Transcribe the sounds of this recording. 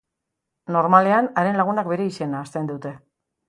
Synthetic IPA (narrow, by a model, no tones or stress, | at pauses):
no̞ɾmale̞anaɾe̞nlaɣ̞unak̚be̞ɾe̞isenaːst̪end̪ut̪e̞